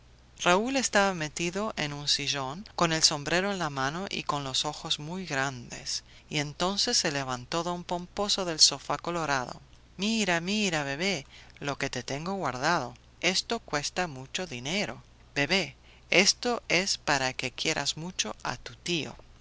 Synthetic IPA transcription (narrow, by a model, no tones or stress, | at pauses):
raule̞st̪aβame̞t̪iðo̞ʔenunsiʒo̞ŋko̞ne̞lso̞mbɾe̞ɾoenlamãno̞ʔḭko̞nlo̞so̞xozmujɣɾand̪e̞̰s | ie̞nt̪o̞nse̞sːeleβ̞ant̪o̞ðompo̞mpo̞soðe̞lsofako̞loɾaðo̰ | miɾamiɾaβe̞β̞elo̞ke̞t̪et̪e̞ŋɡoɣwaɾðað̞o̞ | e̞st̪o̞kwe̞st̪amut͡ʃo̞ðineɾo̞ | be̞βe | est̪oespaɾake̞kje̞ɾʔa̰zmut͡ʃoa̰t̪ut̪io̰